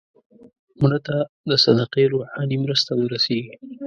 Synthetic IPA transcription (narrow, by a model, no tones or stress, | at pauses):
muɳat̪a | d̪əsad̪aqeɾoħɑnimɾəst̪awəɾaseɡi